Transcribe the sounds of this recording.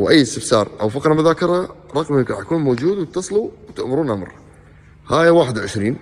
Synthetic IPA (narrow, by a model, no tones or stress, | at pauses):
wʔajːɪst̪ɪfsɑːɾˤʔawfɑqɾˤɑmʊðaːkɪɾˤɑɾˤɑɣmikɾɑħakuːnmoːd͡ʒuːd̪wɪt̪ːɑsˤluwt̪ɪʔmʊɾuːnʔamɾˤ | haːjawaːħɪd̪wʕɪʃɾiːn